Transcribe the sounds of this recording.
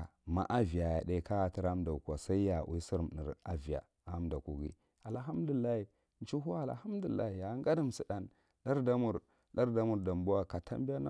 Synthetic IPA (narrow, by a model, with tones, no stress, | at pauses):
ma̰˨ʔa˦vi˨a˨ja˨ɗa˦ka˦ja˨ti˦ɾa˦m˦da˨u˨ka˨sa˦i˦ja˨wʔṵ˦si˦ɾm˨nḭ˨ɾa˦vi˨ja̰˨ | a˨˦mda˨ku˨ɡḭ˦ | a˨lɦa˦m˦du˨lːa˦hi˨ | n˦t͡ʃu˦ɦu˦a˦˨l̰ha˦mdu˨lːa̰˦i˨ja˨˦ŋɡa˦da˦msi˨da˨n | ɗa˦ɾda˦mu˨ɾ | ɗa˦ɾda˦mu˨ɾda˨mbu˦a˦ka˨tʰa̰˦mbi˦a˦na˦